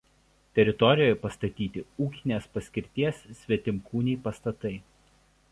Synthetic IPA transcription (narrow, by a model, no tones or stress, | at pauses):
t̪ʲɛɾʲɪt̪ɔɾʲɪjoːjɛpɐst̪ɐt̪ʲiːt̪ʲɪuːkʲɪnʲeːspɐsʲkʲɪɾʲt̪ʲiɛsːʲʋʲɛt̪ʲɪmkuːnʲɛːpɐst̪ɐt̪ɐɪ